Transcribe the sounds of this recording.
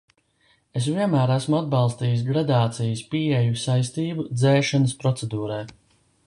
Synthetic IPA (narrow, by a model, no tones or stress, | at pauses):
es̬viɛnmæːɾæsmuad̪̚bɑlˠst̪iːjsɡɾad̪aːt̪sijispiɛjusajst̪iːbud̪zɛːʃanəspɾɔt̪sed̪uːɾɛj